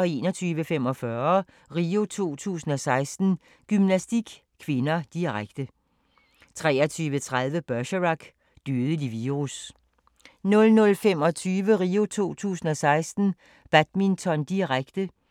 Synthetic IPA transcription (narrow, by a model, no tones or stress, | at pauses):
ɒ̽e̝ːnɒt͡sʰyːʋəfemɒ̽fɶɐ | ʁiːo̝t͡sʰo̝̰ːt͡sʰṵːsn̩ɒ̽sɑ̈ɪsd̥n̩ | ɡ̥ymnæsd̥iɡ̥ | kʰʋe̝nɐd̥iʁaɡ̥d̥ə | t͡sʰʁɛ̰ːɐt͡sʰyːʋət͡sʰʁað̞ˠʋəb̥ɶɕʁɑ̈ɡ̥ | d̥yð̩ˠəd̥iʋiːʁus | nɔ̽lnɔ̽lfemɒ̽t͡sʰyːʋəʁiːo̝t͡sʰo̝̰ːt͡sʰṵːsn̩ɒ̽sɑ̈ɪsd̥n̩ | b̥æd̥mint͡sʰɒ̽nd̥iʁaɡ̥d̥ə